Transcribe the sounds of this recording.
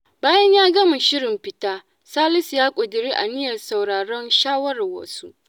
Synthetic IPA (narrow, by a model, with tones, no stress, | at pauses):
baː˦jɐ˦ɲjaː˦ɡɐ˦ma˨ʃɪ˦ɽɪ˨mɸɪ˨taː˦ | saː˦lɪ˦sjaː˦kʷʼʊ˨dɪ˨ɾiː˦ʔa̰˨nɪ˦jɐ˨rsa˨wɽaː˨ɽɔ˦nʃaː˦wɐ˦ɾa˨wɐ̰˦su˦ʔ